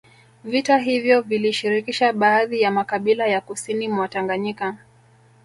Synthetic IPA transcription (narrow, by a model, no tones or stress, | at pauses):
vitaɦivjɔviliʃiɾikiʃaɓaːðijamakaɓilajakusinimwataŋɡaɲika